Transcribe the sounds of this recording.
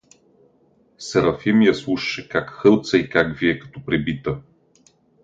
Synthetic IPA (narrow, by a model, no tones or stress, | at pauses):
sɛɾɐfɛmijɐslˠuʃʃɛkakxɤlˠt̪sɐikaɡviɛkɐ̥t̪ɔpɾɛbit̪ə